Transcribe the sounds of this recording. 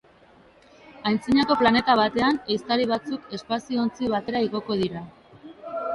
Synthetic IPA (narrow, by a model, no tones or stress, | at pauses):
ajnt͡siɲako̞plane̞t̪aβ̞at̪e̞anejst̪aɾiβ̞at͡suke̞spasioont͡siβ̞at̪e̞ɾaiɣo̞ko̞ð̞iɾa